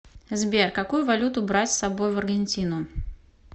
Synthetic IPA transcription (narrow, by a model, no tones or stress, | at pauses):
zbʲɛrkakujʊvalʲut̪ʊbɾat͡sʲsabojvɐrɡʲɪnʲt͡sʲinʊ